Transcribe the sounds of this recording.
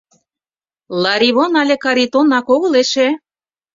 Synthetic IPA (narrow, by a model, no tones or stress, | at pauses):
lɑɾiβonɑlʲĕkɑɾit̪onɑkoɣɤ̆leʃĕ